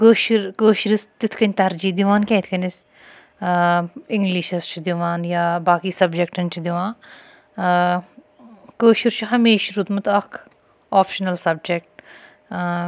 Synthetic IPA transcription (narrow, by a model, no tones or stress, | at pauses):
koːʃiɾkoːʃiɾist̪it̪ʰkɐnʲt̪ɐɾd͡ʒiːd̪iʋaːnkʲɛ̃ːt̪ʰkɐnʲis | ɪŋɡliʃɐst͡ʃʰid̪iʋaːnjaːbaːkiːsɐbd͡ʒekʈɐnt͡ʃʰid̪iʋãːn | koːʃiɾt͡ʃʰɦɐmeːʃɾut̪mɐt̪ɐkʰ | ɔːpʃɐnɐlsɐbd͡ʒek̚ʈ